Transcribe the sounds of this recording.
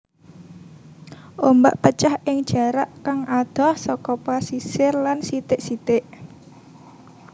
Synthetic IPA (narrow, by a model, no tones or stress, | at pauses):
ʔomba̰ʔpət͡ʃahɪŋ̥ʒ̥a̤ɾaʔkaŋʔad̪̥ɔ̤hsɔkɔpasisɪrlansit̪ɪʔsit̪ɪʔ